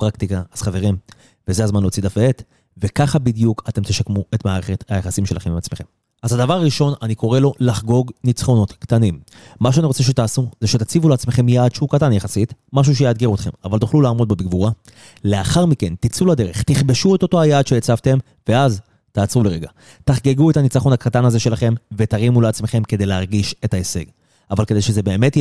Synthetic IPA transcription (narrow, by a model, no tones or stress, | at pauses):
pʁakt̪ikaaz̥χave̞ʁim | vezehazmanlo̞ːt͡sid̪afeet̪ | ve̞kaχabid̪ijukʰate̞mt̪eʃakmue̞t̪maːʁe̞χe̞t̪hajaχasimʃe̞laχemimat͡sme̞χe̞m | azad̪avaʁaʁiʃo̞naniko̞ʁe̞lo̞laχɡo̞ɡnit͡sχo̞no̞t̪kt̪animː | aʃ̬eaniʁot͡seʃ̬e̞t̪aːsuzeʃet̪at͡sivuleaːt͡smeχe̞mjaːd̥̪ʃeukatanjaχasit̪maʃ̬uʃ̬ejad̪ɡiʁut̪χe̞̰mavalt̪uχlulaːmo̞d̪̚bebiɡvuʁa | le̞aχaʁmike̞nt̪it͡sulad̪e̞ʁe̞χt̪iχbeʃue̞t̪o̞to̞ajaːd̪ʃejet͡savt̪e̞m | ve̞az | t̪aːt͡sʁuleʁeɡa̰ | t̪aχɡe̞ɡuet̪anit͡saχo̞nhakatanazeʃe̞laχe̞mve̞t̪aʁimuleat͡smeχe̞mke̞d̪e̞jleaʁɡiʃe̞taese̞̰ɡ | avalke̞d̪ejʃeze̞be̞ːme̞t